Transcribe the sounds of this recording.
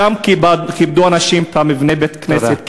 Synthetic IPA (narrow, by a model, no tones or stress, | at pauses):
amkibaχib̚duanaʃimt̪amivnebet̪kneset̪̚